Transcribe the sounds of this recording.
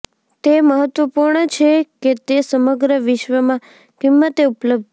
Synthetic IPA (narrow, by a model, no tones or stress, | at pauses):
t̪eməɦət̪ʋəpuɾɳət͡ʃʰeket̪esəməɡɾəʋɪʃʋəmã | kimːət̪eupləb̚d̪